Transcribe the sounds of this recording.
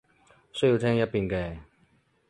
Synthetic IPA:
sɵ˥ji˧wt̪ʰɛː˥ŋjɐ˥t̚piː˧˩nkɛː˧˩

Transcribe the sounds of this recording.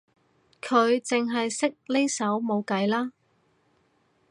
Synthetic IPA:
kʰɵ˨˧ɥt͡sɪ˨ŋɦɐ˨jsɪ˥k̚le˥jsɐ˨˥wmo˨˧wkɐ˨˥jlaː˥

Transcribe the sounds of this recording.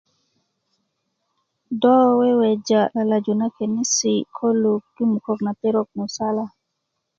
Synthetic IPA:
dɔ˦wɛ˦wɛ˨d͡ʒa˨la˨la˨d͡ʒu˨na˦ke˨ni˦si˨kʰɔ˦lu˨k̚du˦mu˨kɔ˦kna˨te˦ɾɔ˦k̚mu˨sa˦la˨

